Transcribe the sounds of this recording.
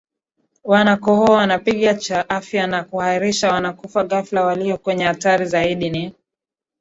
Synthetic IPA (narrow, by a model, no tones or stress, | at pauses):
wanakɔhɔawanapiɠat͡ʃaʔafjanakuhaiɾiʃawanakufaɣaflawaliɔkwɛɲɛhataɾizaiɗini